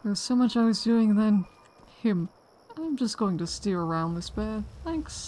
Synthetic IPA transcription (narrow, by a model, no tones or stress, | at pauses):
ðə˞z̥soʊmʌt͡ʃaɪwʌzdʉɪ̃ŋnɨ̃n | hɪ̃m | ãɪ̃md͡ʒʌsɡ̥oʊɪ̃ŋtɨstiɹə˞ãʊ̃nðɪsb̥æd̥̚θæ̃ks